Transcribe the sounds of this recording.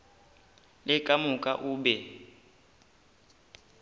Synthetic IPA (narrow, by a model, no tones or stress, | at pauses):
lɪkʼamukʼaʔuːbɛ